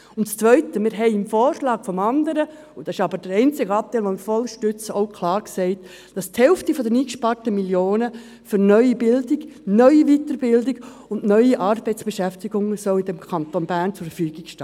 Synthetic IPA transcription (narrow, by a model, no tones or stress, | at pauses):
ʊntt͡st͡sʋœʏtəmɪɾɦɛɪɪmfoːɾʃlɑːɡ̥fɔmɑndəɾə | ʊd̥ɑsɪ̥ʃɑbəɾd̥əɾɛɪnt͡sɪɡəɑp̚t̪æɪlʋomɪɾfɔlʃtʏt͡səoʊkʰlɑːɾksɛɪt | d̥ɑsthɛlftifɔdəniːkʃpɑrtəmiljoːnə | fyɾnœʏibɪldiɡnœʏivitəɾbɪldɪɡ | ʊnnœʏiʔɑːrbɛɪt͡sb̥eʃæftiɡʊŋəsœʊɪdɛmkʰɑntonbæːɾnt͡sʊɾfəfyːɡ̥ɪkʃtː